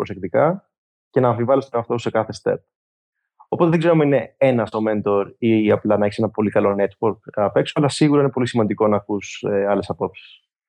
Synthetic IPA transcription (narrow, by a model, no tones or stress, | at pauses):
pɾo̞sek̚t̪ikɐ | ce̞nɐːɱfivɐlest̪oɾɐft̪ose̞kɐθe̞st̪e̞̰p̚ | opot̪eðeɡze̞ɾomeine̞e̞nɐso̞ment̪o̞ɾiɐplɐnɐeçisenɐpo̞likɐlo̞ne̞t̪woɾkɐpe̞ksoɐlɐsiɣuɾɐinepo̞lisimɐnd̪iko̞nɐkuseɐle̞sɐpo̞psi̥s